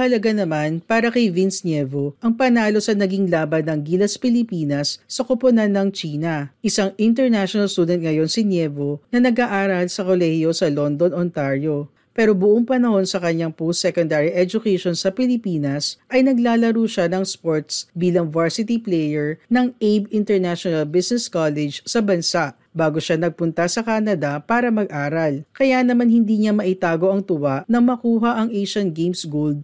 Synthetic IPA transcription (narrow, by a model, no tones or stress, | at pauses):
ɐhɐlɐɡanɐmanpaːɾɐkɐjvɪnsnjɛvoʔɐŋpɐnaːlo̞sɐnɐɡiŋlaːbɐnːɐŋɡilɐspɪlɪpiːnɐsːɐkoponanːɐŋt͡ʃiːnɐʔɪsaŋɪnt̪ɛɹnaʃonɐlst̪uːd̪ɛnt̪̚ŋɐjo̞nsɪnjɛvo̞nɐnɐɡaʔaːɾɐlsɐkolɛhjo̞sɐlo̞nd̪o̞nont̪aɹjo̞ | pɛːɾo̞bʊʔoŋpɐnɐho̞nsɐkɐɲaŋpusɛkond̪aɹiʔɛd͡ʒʊkɛjʃonsɐpɪlɪpiːnɐsʔɐjnɐɡlaːlɐɾuːʃanɐŋspoɹt̪sbiːlɐŋvaɹsɪt̪iplɛjɛɹnɐŋʔejbɪnt̪ɛɹnaʃonɐlbisnɛskalɛd͡ʒsɐbɐnsaʔ | baːɡoʃanɐɡ̚pʊnt̪ɐsɐkaːnɐd̪ɐpaːɾɐmɐɡʔaːɾɐlkɐjanɐmanhɪnd̪iːɲamɐʔɪt̪aːɡo̞ʔɐŋt̪ʊwaʔnɐmɐkuːɦɐʔɐŋʔejʃɐnɡejmsɡuld̪̚